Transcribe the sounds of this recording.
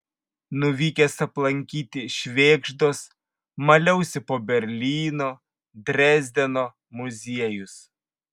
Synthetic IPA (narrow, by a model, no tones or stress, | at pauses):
nʊʋʲiːkʲɛsɐplˠɐŋʲkʲiːt̪ʲɪʃʲʋʲeːɡʒd̪oːs | mɐlʲɛʊsʲɪpoːbʲɛɾʲlʲiːnoː | d̪ʲɾʲæːzʲd̪ʲɛnoː | mʊzʲiɛjʊs